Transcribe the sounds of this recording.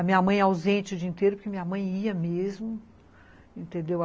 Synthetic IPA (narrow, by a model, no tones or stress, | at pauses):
ɐmĩɲɐamɐ̃j̃awzẽnt͡ʃɪʊd͡ʒiĩt̪eɾʊpʊɾkɪamĩɲɐmɐ̃j̃iɐmezmʊ | ẽnt̪ẽnd̪ewa